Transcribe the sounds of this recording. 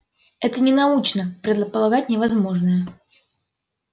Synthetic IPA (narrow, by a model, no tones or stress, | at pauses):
ɛt̪ənʲɪnɐut͡ɕnəpɾʲɪd̪lˠəpəlˠɐɡat̚ʲnʲɪvɐzmo̞ʐnəjə